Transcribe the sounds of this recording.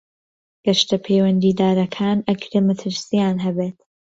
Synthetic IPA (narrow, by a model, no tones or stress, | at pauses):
ɡ̥ɐʃt̪ɐpʰeːwɐnd̪iːd̪aːɾɐkʰaːnɐkʰɾeːmat̪ʰɨɾsijaːnɦɐbeːt̪